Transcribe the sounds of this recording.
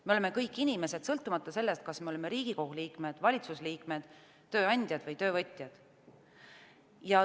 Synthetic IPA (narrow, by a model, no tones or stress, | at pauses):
me̞o̞leme̞kɤjkːˑinʲime̞se̞d̪̥sɤlt̪ːˑumɑt̪ˑːɑse̞lːe̞st̪̚kɑsme̞o̞le̞me̞ɾiːɡ̥iko̞huliːkme̞d̪̥vɑlʲit̪susliːkme̞d̪̥ː | ø̞ːɑnʲd̪̥ʲjɑd̪̥vɤjt̪ø̞ːvɤt̪ʲˑjɑd̪̥ | jɑ